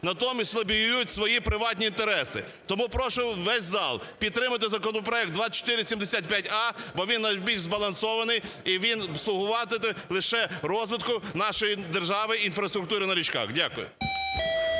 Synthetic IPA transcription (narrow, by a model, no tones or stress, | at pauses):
nɐt̪ɔmʲisʲt̪ʲlˠɐbʲijjutʲsʋɔjipɾɪʋɑtʲnʲiːnt̪eɾɛsɪ̰ | t̪ɔmupɾɔʃʊʋɛsʲzɑlˠpʲid̪t̪ːɾɪmɐt̪̬ɪzɐkɔnɔpɾɔɛkt̪̚d̪ʋɑt͡ʃɔ̥t̪ɪɾʲɪsʲimd̪esʲat̪̚ʲpʲjatʲɑbɔʋʲinːɐjbʲilʃzbɐlˠɐnsɔʋɐnɪjiʋʲinslˠʊɦʊʋɑt̪ɪt̪ɪlˠɪʃɛrɔzʋɪt̪kʊnɑʃɔjid̪erʒɑʋɪinfɾɐst̪ɾʊkt̪uɾɪnɐɾʲit͡ʃkɑ̰xdʲakʊjʊ̰